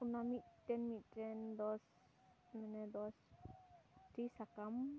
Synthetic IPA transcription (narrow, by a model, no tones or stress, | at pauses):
kunamiʔt̪ɛnmitɛnd̪ɔs | mɛnɛd̪ɔs | tɾisakam